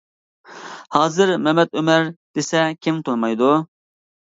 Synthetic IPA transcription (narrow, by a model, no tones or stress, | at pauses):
hɑːzɨɾmɛmɛd̪ømɛɾd̪̥esɛkʲʰimt̪ʰonmɑjd̪u